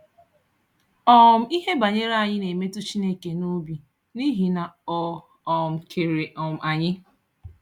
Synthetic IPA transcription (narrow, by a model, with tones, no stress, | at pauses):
ɔ˨m̩˦i˦ɦe˦ba˨ɲe˦ɾa˦˨ɲɪ˦ne˨me˦tu˦t͡ʃi˦ne˦˨ke˨no˦bi˨ | ni˦ɦi˨na˨ɔ˨ | ɔ˨m̩˨kʰe˨ɾe˨ʔɔ˨m̩˨a˨ɲɪ˦